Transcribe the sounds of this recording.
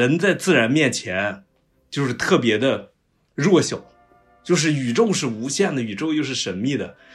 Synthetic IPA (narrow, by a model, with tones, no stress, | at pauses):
ə˧˥nt͡sa˥˧ɪt͡sɹ̩˥˩ɻa˧˥nmjɛ˥˩nt͡ɕʰjɛ˧˥n | t͡ɕjo˥˧ʊʂɻ̩˥˧t̪ʰɤ˥˩p̬jɛ˧˥d̪ə˧ | ɻwɔ˥˩ɕjo˨˩˦ʊ | t͡ɕjo˥˧ʊʂ̬ɻ̩˥˩y˨˩ʈ͡ʂo˥˧ʊʂɻ̩˥˩u˧˥ɕjɛ˥˩nd̪ə˩y˨˩ʈ͡ʂo˥˧ʊjo˥˧ʊʂ̬ɻ̩˥˩ʂə˧˥nmi˥˩d̪ə˩